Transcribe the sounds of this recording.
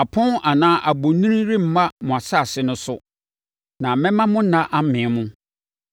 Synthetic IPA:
a˨pʰʊ̃˦na˨nãː˦ʔa˨bo˨nũ˦ĩ˦ɾi˦m̩˨mã˦mʊ̃˨a˨sa˦˨sɪ˨˦nʊ̃˦sʊ˦ | nã˨mɛ̃˦mã˦mʊ̃˦nã˦ʔa˦m˦mɪ̃˨˦mʊ̃˦

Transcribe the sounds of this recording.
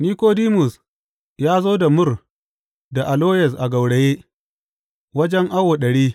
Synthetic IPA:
niː˦koː˦diː˦mʊ˨s | jaː˦zoː˦da˨mʊ˦r | da˨ʔa˨loː˦jɛ˨s̬ʔa˨ɡɐ˨wɽe˨jeː˦ | wɐ˦d͡ʒɛ˦ŋʔa˦woː˨ɗɐ˨ɽiː˦

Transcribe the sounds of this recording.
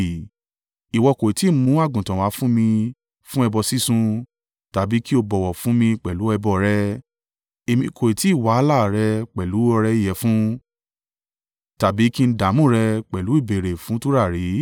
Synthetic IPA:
i˨wɔ˧ko˨i˨ti˨˦mũ˦a˦˨ɡũ˨tã˨wa˨˦fũ˦mĩ˧ | fũ˦ɛ˧bɔ˧si˦sũ˧ | ta˨bi˨˦ki˦o˧bɔ˨wɔ˨fũ˦mĩ˧k͡pɛ˨lu˨˦ɛ˧bɔ˧˨ɾɛ˧ | e˧mĩ˧kʰo˨i˨ti˨˦˨wa˨˦la˦˨ɾɛ˧k͡pɛ˨lu˨˦ɔ˧ɾɛ˧˦i˦˨jɛ˨˦fũ˦ | ta˨bi˨˦ki˦˧n̩˦da˨˦mũ˦˨ɾɛ˧k͡pɛ˨lu˨˦i˦˨be˨ɾe˨fũ˨˦tu˦ɾa˦˨ɾi˨˦

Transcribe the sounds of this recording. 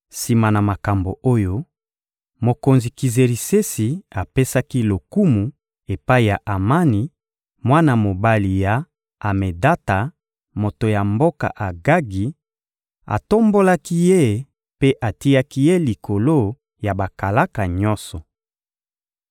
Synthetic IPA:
si˨ma˨na˨ma˨ka˨mbo̰˨ʔo˦jo˦ | mo˨ko˨nzi˨ki˨ze˨ʁi˨se˦si˨a˨pe˦sa˦ki˦lo˨ku˦mu˨ | e˨pa˦i˨ja˨ʔa˨ma˦ni˨ | mwa˦na˨mo˨ba˦li˨jaː˨ | me˨da˦ta˨ | mo˨to˨ja˨mbo˦ka̰˨ʔa˨ɡa˦ɡi˨ | a̰˨to˦mbo˦la˦ki˦je˦ | pe˦ʔa˨ti˦ja˦ki˦je˦li˨ko˨lo˦ | ja˨ba˨ka˨la˦ka˨ɲɔ˦sɔ˨

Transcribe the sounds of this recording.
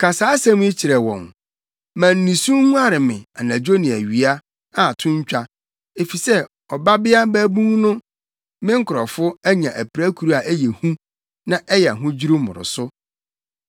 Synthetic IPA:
kʰa˨saː˨˦sã˦m̃˦i˦t͡ɕʰi˨ɾɛ˨wɔ̰̃˨n | mæ̃˨n̩ː˨ĩ˨sũ˦mũ˦a˦ɾɪ˨mɪ̃˨a˨nã˨d͡ʑo˦nĩ˨æ˨ɥi˨a˦ | a˨tʰʊ̃˦ɲ˦t͡ɕᶣa˦ | e˨fi˨sɛ˦ | ɔ˨ba˦bɪ˦a˦bæ˦bũ˦ŋnʊ̃˦ | mɪ̃˦ŋ̩˦kʰʊ˨ɾɔ˨fʊ˦æ˦ɲã˨ʔæ˨pʰɾæ˦kʰu˨ɾu˦a˨ʔæ˦jɛ˨hũ˦ | nã˦ʔɛ˦jɛ˨a˨ɦʊ̃˦d͡ʑi˦ɾu˦mʊ̰̃˨ɾʊ̰˨sʊ˦

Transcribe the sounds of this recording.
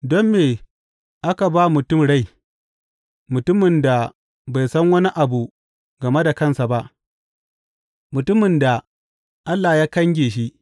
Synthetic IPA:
dɔ˦mːeː˨ | ʔa˦ka˨baː˦mʊ˨tʊ˦˨mɽa˦˨j | mʊ˨tʊ˦mɪ˨nda˨ | ba˨jsɐ˦ŋwɐ˦ni˦ʔa˨bu˨ | ɡɐ˨me˦da˨kɐ˦˨nsa˨ba˦ʔ | mʊ˨tʊ˦mɪ˨nda˨ | ʔa˦lːa˨jaː˦kɐ˦ŋɡʲeː˨ʃ̬i˦ʔ

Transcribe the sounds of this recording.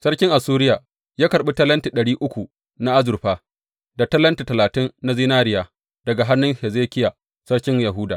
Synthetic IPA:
sɐ˦ɽkʲɪ˦ŋʔa˨suː˦ɾɪ˦jaː˨ | jaː˦kɐ˨ɾɓi˦tɐ˦lɐ˦nti˨ɗɐ˨ɽiː˦ʔʊ˦kʷu˨ | na˦ʔa˦zʊ˨rɸaː˦ | da˨tɐ˦lɐ˦nti˨tɐ˨laː˨tɪ˦nːa˦ziː˦naː˦ɾɪ˦jaː˨ | d̥ɐ˨ɡa˨ɦa˦nːʊ˦ŋhɛ˨zeː˦kʲɪ˦ja˨ | sɐ˦ɽkʲɪ˦ŋja˨ɦʊ˦daː˨

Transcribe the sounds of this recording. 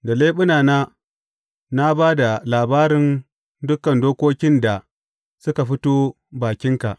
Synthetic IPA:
da˨leː˦ɓʊ˦naː˨naː˦ | na˦baː˦da˨laː˨baː˦ɾɪ˦n | dʊ˦kɐ˨ndoː˦kʷoː˦kʲɪ˦nda˨ | sʊ˦ka˨ɸɪ˦toː˦ | baː˨kʲɪ˦ŋka˨ʔ

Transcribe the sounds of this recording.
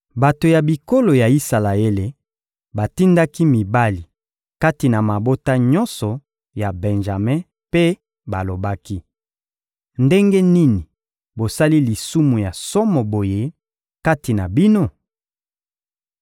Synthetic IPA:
ba˨to˨ja˨bi˨ko˦lo˨ja˨i˦sa˨la˨e˦le˨ | ba˨ti˦nda˦ki˦mi˨ba˦li˨ | ka˦ti˨na˨ma˨bo˦ta˦ɲɔ̃˦nsɔ˨ | ja˨bɛ̃˨nʒa˨mɛ̃˦ | pe˦ | ba˨lo˨ba˦ki˦ | nde˦ŋɡe˦ni˦ni˨ | bo˨sa˦li˦li˨su˦mu˨ja˨sɔ˦mɔ˨bo˨je˦ | ka˦ti˨na˨bi˦no˦

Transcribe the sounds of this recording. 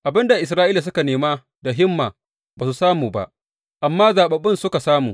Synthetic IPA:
ʔa˨bɪ˦nda˨ʔɪ˨s̬ɾaː˦ʔiː˦la˨s̬ʊ˦ka˨neː˨maː˦ | da˨ɦɪ˦mːaː˨ | baː˨s̬u˨saː˦muː˨ba̰˦ʔ | ʔa˨mːaː˦zaː˨ɓɐ˨bɪ˦nsʊ˦ka˨saː˦muː˨

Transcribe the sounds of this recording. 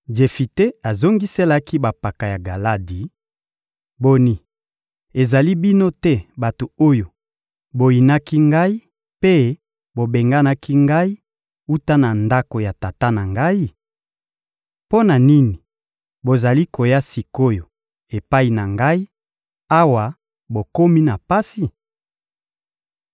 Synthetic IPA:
d͡ʒe˨fi˨te˦a˨zo˦ŋɡi˦se˦la˦ki˦ba˨pa˨ka˨ja˨ɡa˨la˦di˨˦ | bo˨ni˨ | e˨za˨li˦bi˦no˦tɛ˦ba˨to˨o˦jo˨ | bo˨ji˨na˦ki˦ŋɡa˦i˦ | pe˦ | bo˨be˨ŋɡa˦na˦kʰi˦ŋɡa˦i˦ | u˦ta˦na˨nda˦ko˨ja˨ta˨ta˦na˨ŋɡa˦i˦ | po˦na˨ni˦ni˨ | bo˨za˨li˦ko˨ja˦si˨ko˦jo˨ | e˨pa˦i˨na˨ŋɡa˦i˦ | a˦wa˨ | bo˨ko˦mi˦na˨pa˦si˨

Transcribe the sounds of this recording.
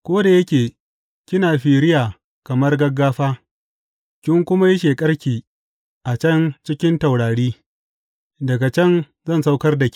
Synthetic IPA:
kʷoː˦da˨jɐ˦kʲeː˨ | kʲɪ˦naː˨ɸiː˨ɽɪ˦jaː˨ | kɐ˨mɐ˦rɡɐ˦ɡːaː˦ɸaː˦ | kʲɪ˦ŋkʷʊ˦ma˦jɐ˦ʃ̬eː˨kʼɐ˦rkʲiː˨ | ʔa˨t͡ʃɐ˦nt͡ʃɪ˦kʲɪ˦nta˨wɽaː˨ɽiː˦ | dɐ˨ɡa˨t͡ʃɐ˦n | zɐ˦˨nsa˦wkɐ˦rda˨kʲ

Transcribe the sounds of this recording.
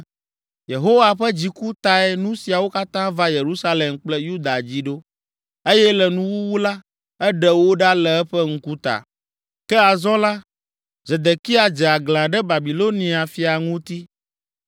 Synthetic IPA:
je˨ɦo˦wa˨ɸɛ˦d͡ʑi˨ku˦t̪a˨ɛ˨nũ˦si˨a˨wo˦ka˦t̪ã˦va˦je˨ɾu˦sa˦le˨mk͡plɛ˦ju˦d̪a˨d͡ʑi˦ɖo˦ | e˦jɛ˦lɛ˨nũ˦wu˦wu˦la˦ | ɛ˦ɖɛ˨wo˦ɖa˦lɛ˨ɛ˦ɸɛ˦ŋ̩˦ku˦t̪a̰˨ | kɛ˦a˨zɔ̃˦la˦ | ze˨d̪e˨ki˦a˨d͡ʒɛ˨a˨ɡlã˨ɖɛ˦ba˨bi˨lo˦nĩ˨a˨fi˨a˨ŋũ˦t̪i˦

